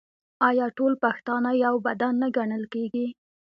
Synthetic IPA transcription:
ɑjɑʈolpaxt̪ɑnajawbad̪anːaɡaɳəlkeɡi

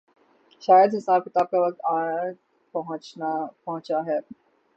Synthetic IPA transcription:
ʃaːjəd̪ɦɪsaːb̚kɪt̪aːb̚kaʋɐk̚t̪aː | pɐɦʊ̃t͡ʃnapɐɦʊ̃t͡ʃaɦɛː

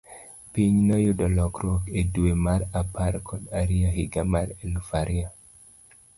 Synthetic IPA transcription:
piɲnɔjʊdɔlɔkɾɔkedwemaɾapaɾkʰɔdaɾiaɦiɡamaɾelufaɾʔia

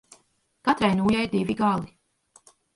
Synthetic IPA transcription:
kat̪ɾajnuːjajɾd̪iviɡalˠi

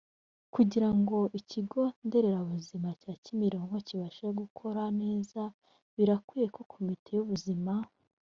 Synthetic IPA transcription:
kuɟiɾaŋɡo̞ʔiciɡo̞nde̞ɾe̞ɾaβuzimacaːcimiɾo̞ːŋɡo̞ciβaʃeɡukʰo̞ɾane̞ːza | βiɾakwijeko̞kʰomitʰe̞juβuzima

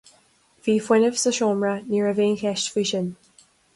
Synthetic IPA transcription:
v̥iːfwɛnəvsəʃɔmɹəniɹəvẽːnkʰɛʃtfiʃən

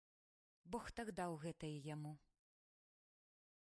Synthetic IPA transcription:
bɔxt̪aɡd̪awɣɛt̪ɐjɛjamu

